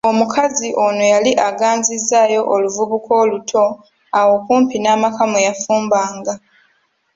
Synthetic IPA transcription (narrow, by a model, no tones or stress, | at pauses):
o̞mukʰaziʔo̞nojaliʔaɡaːnzizaːjo̞ʔoluvuβuko̞ːlutʰo̞ | awo̞kuːmpinaːmakamujafuːmbaːŋɡa